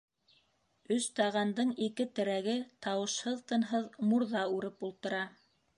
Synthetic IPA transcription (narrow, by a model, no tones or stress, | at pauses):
ɵst̪ɑʁɑnd̪ɤɴikɘt̪ɘ̆ɾæɡɘt̪ɑwɤ̆ʃhɤðt̪ɤ̆nɦɤðmuɾðɑʉɾɘpulˠt̪ɤ̆ɾɑ